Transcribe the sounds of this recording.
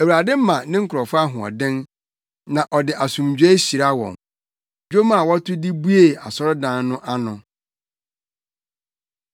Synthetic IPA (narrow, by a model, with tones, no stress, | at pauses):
æ˨wɾa˨dɪ˦m̩˦mã˨nɪ̃˦ŋ̩˦kʰɾɔ˨fʊ˦a˦ɦʊ̃˨ɔ̰˨dɪ̃˦n | nã˨ʔɔ˨dɪ˨ʔa˨sũ˨md͡ʑᶣe˦ɕi˨ɾa˦wɔ̰̃˨n | d͡ʑᶣo˦mã˨wɔ˦tʰʊ˦di˦bu˦e˨a̰˨sɔ˦ɾʊ˦dãː˦nnʊ̃˦ʔa˦nʊ̃˨